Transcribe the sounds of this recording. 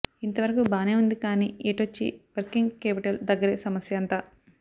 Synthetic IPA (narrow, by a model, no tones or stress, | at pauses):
int̪ɐʋɐɾɐkubaːneːund̪ikaːnḭːeːʈʋot͡ʃːḭʋɐɾkiŋɡkeːpiʈɐld̪ɐɡːɐɾesɐmɐsjɐɐnt̪aː